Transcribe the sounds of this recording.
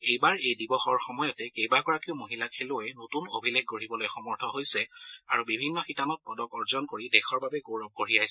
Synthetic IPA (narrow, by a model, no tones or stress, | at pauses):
ejbaɹejdibɔxɔɹxɔmɔjɔtɛkejbakɔɹakiʊmoɦilakʰeloɛnotuno̰bʱileɡ̚ɡoɹibɔlojxɔmɔɹtʰɔɦojsɛaɹubibʱinːɔxitanɔt̚pɔdɔkɔɹzɔnkoɹidɛxʰɔɹbabɛɡoɹɔk̚ɡoɹiajsɛ